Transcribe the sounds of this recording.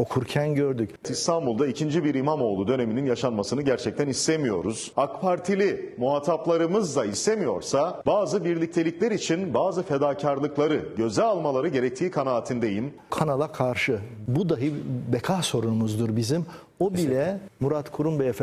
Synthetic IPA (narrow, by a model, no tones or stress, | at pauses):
o̞kʰuɾcʰænɟøɾd̪ycist̪ʰanbulˠd̪aicʰind͡ʒibiɾimamo̞ːlˠud̪ø̞ne̞mininjaʃanmasɯnɯɟæɾt͡ʃʰɛc̚t̪ʰænist̪e̞mijo̞ɾuz̥akpʰaɾt̪ʰilʲimuɦat̪ʰaplˠaɾɯmɯzd̪aist̪e̞mijo̞̰ɾsabaːzɯbiɾlʲic̚t̪ʰe̞lʲiclʲɛɾit͡ʃʰinbaːzɯfe̞d̪aːcʰaɾlˠɯklˠaɾɯɟø̞zɛalˠmalˠaɾɯɟe̞ɾɛc̚t̪ʰiːkʰanaːt̪ʰɯnd̪e̞jim | kʰanalˠakʰaɾʃɯbud̪aɦɯbekʰahso̞ɾunumuzd̪uɾbizim | obilʲɛmuɾat̪kʰuɾumbejef